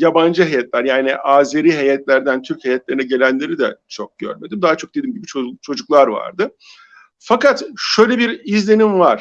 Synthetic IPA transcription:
jaband͡ʒɯɦejɛt̪lʲæɾjaːniʔaːzeɾiːɦejɛt̪lʲæɾd̪ænt̪ʰyɾchejɛt̪lʲe̞ɾinɛɟe̞lʲænlʲe̞ɾid̪ɛt͡ʃʰo̞k̚ɟ̥ø̰ɾme̞d̪imd̪aɦat͡ʃʰo̞k̚d̪̥e̞d̪iːmɟibit͡ʃʰot͡ʃʰo̞d͡ʒuklˠaɾva̰ɾd̪ɯ | fakat̪ʃøjlʲebiɾizlʲe̞nimvaɾ̥

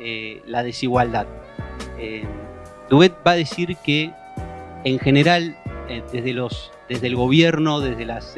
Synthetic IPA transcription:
elaðe̞siɣwald̪að | e | d̪wet̪̚baðesiɾkeː | ŋxeneɾald̪ezðelo̞s | ðe̞zð̞elɣo̞β̞jeɾnoðe̞zðe̞las

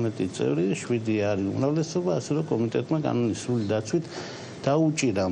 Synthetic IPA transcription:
mɛt̪ʼit̪sʼɛ̰vɾiʃwid̪iaɾiṵmɾavlɛsɔbaːsɛɾɛkʼɔmit̪ʼɛt̪ʼmakʼa̰nɔnisɾulid̪at̪sʰwit̪ʰ | d̪̥aut͡ʃʼiɾa

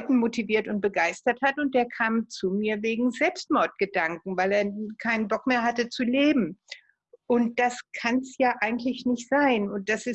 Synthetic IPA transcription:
tn̩motiviːɐtʊnt̚b̥əɡaɪstɐthatʊnt̚d̥eːɐkʰaːmt͡sumiːɐveːɡŋ̩zɛlpstmɔɐt̚ɡ̥ədaŋkŋ̩vaɪleːɐkʰaɪnənbɔkmeːɐhatət͡suleːbm̩ | ʔʊnt̚d̥askʰansjaːʔaɪɡŋ̩tlɪçnɪçtz̥aɪnʊnt̚d̥asɪ

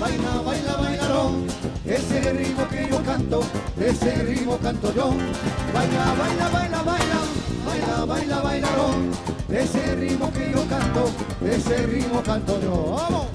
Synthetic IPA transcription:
bajnaβajlaβajlaɾoeserimokɾiokant̪od̪eserimokãnt̪od͡ʒobajnaβajlaβajlaβajlabajlaβajlaβajlaɾoeserimokɾijokant̪oeserimokant̪od͡ʒo

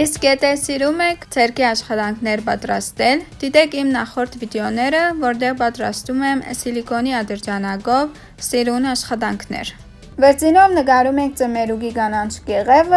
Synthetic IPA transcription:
iskjɛt̪ʰɛsiɾumɛkʰt͡sʰɛɾkiɑʃχɑt̪ɑŋkʰnɛɾpɑ̰t̪ɾɑst̪ɛld̪̥it̪ɛkʰimnɑχɔɾt̪ʰvid̪ɛɔnɛɾəvɔɾt̪ɛʁpɑt̪ɾɑ̰st̪umɛmə̰silikɔniɑd̪əɾd͡ʒɑnɑɡɔv | siɾunɑʃχɑt̪ɑŋkʰnɛ̰ɾ | vɛɾt͡sinɔvnəɡɑɾumɛŋk̚ʰt͡səmɛɾuɡiɡɑnɑnt͡ʃʰɡɛʁɛvə

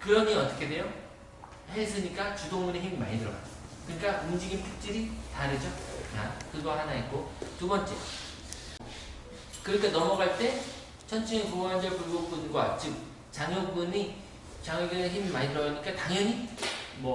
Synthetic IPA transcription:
kɯɾʌɲiʌt͈ʌkʰe̞dejo | hesʰɯɲik͈at͡ɕudoŋmuneçimːa̰ɲidɯɾʌɡa̰d͡ʑokɯɲik͈aumd͡ʑiɡinpʰuk̚t͡ɕ͈ɯɾitaɾɯd͡ʑʌɲa̰kɯɡʌhanaik͈otubʌnt͡ɕ͈e̞̰ | kɯɾik͈anʌmʌɡaɭt͈e̞ | t͡ɕʰʌnt͡ɕʰɯŋekoŋand͡ʑʌɭpuɭɡop͈unɡwat͡ɕ͈ɯk̚ | t͡ɕaŋjop͈uni | t͡ɕaŋeɡɯneçimːaɲidɯɾʌɲik͈ataŋʌɲimʌ

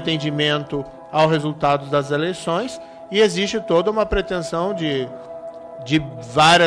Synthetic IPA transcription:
t̪ẽnd͡ʒimẽnt̪ʊ | awɦezut̪ad̪ʊd̪ɐzelejsõj̃s | ɪezist͡ʃɪt̪od̪ɐũmɐpɾet̪ẽsɐ̃w̃d͡ʒɪ | d͡ʒɪvaɾɐ

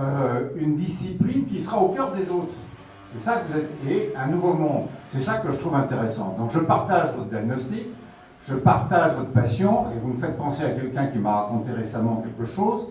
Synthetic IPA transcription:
øynd̪isiplinkʲisəʁaokʲœʁd̪ezot̪χ | sɛsakəvuzɛt̪eɛ̃nuvomɔ̃d̪sɛsakəʒət̪χuvɛ̃t̪eʁesɑ̰̃d̪ɔ̃kʒəpaʁt̪aʒvɔt̪χd̪jaɡ̚nɔst̪ik | ʒ̥əpaʁt̪aʒvɔt̪χəpasjɔ̃evuməfɛt̪̚pɑ̃seakʲɛlkʲɛ̃kʲimaʁakɔ̃t̪eʁesamɑ̃kʲɛlkəʃoz

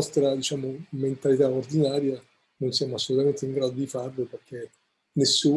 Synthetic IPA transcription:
ɔst̪ɾad̪it͡ʃaːmoment̪alit̪aord̪inaːɾja | nonsjaːmoasːolut̪ament̪eiŋɡɾaːd̪od̪ifarloperk̟ʰe | nesːuː

